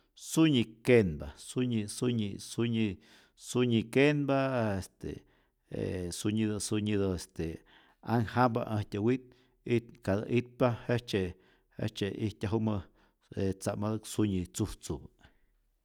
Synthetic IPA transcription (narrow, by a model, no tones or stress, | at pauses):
suɲikenbasuɲisuɲḭsuɲi | suɲikenbaest̪ḛ | ḛsuɲid̪ɨsuɲid̪ɨest̪e | aŋhamba̰ʔãht̪ʲawit̪̚ | it̪kad̪aʔit̪̚pahet͡ʃe | hḛt͡ʃeʔit̪ʲaɦumə | et͡samad̪ɨksuɲit͡suht͡suba